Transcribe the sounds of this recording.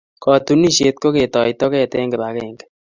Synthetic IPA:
kɔ˨t̪u˦ni˦˨ʃe˦t̪̚ko˦ke˨t̪ɔ˨it̪ɔ˦keː˦˨t̪e˦ŋɡe˨ba˨keː˦ŋɡe̥˦

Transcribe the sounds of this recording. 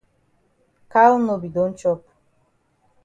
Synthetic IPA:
kʰa˦lɔ˦nɔ˨bi˨d̪ɔ˨˦nt͡ʃɔ˦p̚ʰ

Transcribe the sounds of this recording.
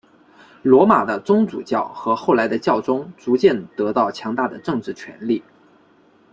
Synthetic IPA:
lwɔ˧˥ma˨˩d̪ə˦t͡sʊ˥ŋt͡sṵ˨˩t͡ɕjɑ˥˩ʊxɤ˧˥xo˥˩ʊla˧˥ɪd̪ə˧t͡ɕjɑ˥˩ʊʈ͡ʂʊ˥ŋt͡su˧˥t͡ɕjɛ˥˩nt̪ɤ˧˥t̪ɑ˥˩ʊt͡ɕʰjɑ˧˥ŋt̪a˥˩d̪ə̰˩ʈ͡ʂɤ˥˧ŋʈ͡ʂɻ̩˥˩t͡ɕʰɥɛ̰˧˥nli˥˩

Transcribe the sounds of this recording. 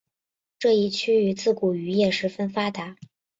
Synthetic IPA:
ʈ͡ʂɤ˥˧i˥˩t͡ɕʰy˥y˧˥t͡sɹ̩˥˩ku˨˩y˧˥jɛ˥˩ʂɻ̩˧˥fə˥nfa˥t̪a˧˥

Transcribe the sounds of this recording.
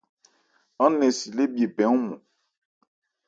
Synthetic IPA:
ɔ˦nɛ̃˨si˨le˦bi˨e˨pɛ˨˦ŋũ˦mɔ̰̃˨

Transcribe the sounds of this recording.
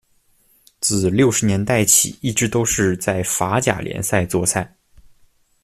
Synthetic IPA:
t͡sɹ̩˥˧˩ljo˥˩ʊʂɻ̩˧˥njɛ˧˥nt̪a˥˩ɪt͡ɕʰḭ˨˩˦i˥˩ʈ͡ʂɻ̩˧˥t̪o˥ʊʂɻ̩˥˧t͡sa˥˩ɪfa˧˥t͡ɕja̰˨˩ljɛ̰˧˥nsa˥˧ɪt͡swɔ˥˧sa˥˩ɪ

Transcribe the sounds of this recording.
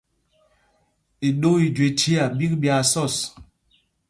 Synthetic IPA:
i˨ɗo˦i˨d͡ʒwe˨tʰi˦a˨bi˦k̚bja˨sɔ˦˨s

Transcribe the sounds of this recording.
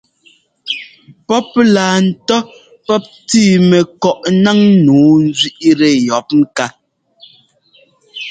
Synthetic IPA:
pɔ˦p̚laː˨n̩˨tɔ˦ | pɔ˦p̚tiː˦˨mɛ˨kɔ˨ʔna˦ŋ˦nuː˨˦n˦zɥi˦ʔɾɛ˨jɔ˨˦p̚ŋ̩˦ka˦

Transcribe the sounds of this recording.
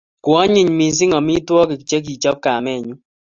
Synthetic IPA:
kwɔ˦ɲɪ˨ɲmi˨s̬ɪ˦ŋɔ˨mi˦twɔ˦kɪ˨kt͡ʃe˦k̬i˨t͡ʃɔ˦p̚ka˨mɛ˦˨ɲu˦

